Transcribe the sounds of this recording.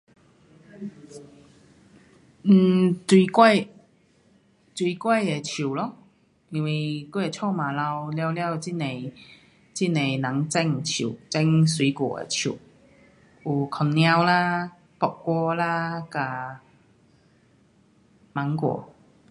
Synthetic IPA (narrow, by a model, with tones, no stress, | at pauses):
n̩˨˩t͡swi˧kwa˥˩j | t͡swi˧˩kwa˥˩je˨˩t͡ɕʰu˨˩lɔ˦˧ | i˧nwi˧ku˥˩e˨˩t͡ɕʰɔ˥˧mã˨˩la˧wlja˧wlja˥˧˩wt͡ɕi˥˩ne˨˩ | t͡ɕi˥˩ne˨˩na˨˦ŋt͡sɛ˥˧ŋt͡ɕʰḭ˨˩˨t͡sɛ˥˧ŋswi˨˦kwɔ̰˨˩ḛ˨˩t͡ɕʰṵ˨˩ | u˧˩kʰɔ˨˧˩nnj̃ã˧wla˦ | pɔ˨˩kkːwɔ˧la˦ka˧ | ma˨˦ŋkwɔ̰˨˩˦